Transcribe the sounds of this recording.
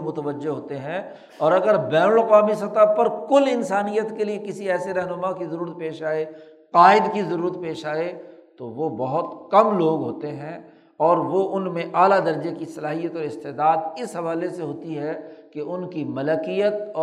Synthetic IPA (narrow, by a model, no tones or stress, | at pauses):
mʊt̪əʋəd͡ʒːeɦoːt̪eɦɛ̃ | ɔːɾɐɡəɾbɛːnəlɐqaːmisɐt̪əpɐɾkʊlɪnsaːnijət̪keliekɪsiɛːseɾɛɦnʊmakizɐɾuːɾət̪̚peːʃaːe | qaːɪd̪kizɐɾuːɾət̪peːʃaːet̪oʋobɐɦʊt̪kɐmloːɡɦoːt̪eɦɛ̃ | ɔːɾʋoʔʊnmẽʔaːlad̪ɐɾd͡ʒekisɐlaːɦijət̪ɔːɾɪst̪eːd̪aːd̪ɪsɦɐʋaːleseɦoːt̪iɦɛkeʔʊnkimɐləkijət̪ː